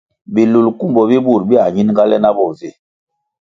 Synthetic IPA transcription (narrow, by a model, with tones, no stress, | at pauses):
bi˨lu˨lku˦mbɔ˨bi˦bu˦˨ɾbi˦a˨ɲi˦n˦ŋ˦ɡa˦lɛ˦na˦bɔ˨ze˦˨